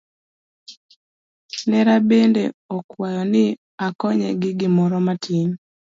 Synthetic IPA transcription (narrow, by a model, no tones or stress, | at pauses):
nɛɾabendeɔkwajɔnɪ | akɔɲɛ̰ɡɪɡɪmɔɾɔmatʰin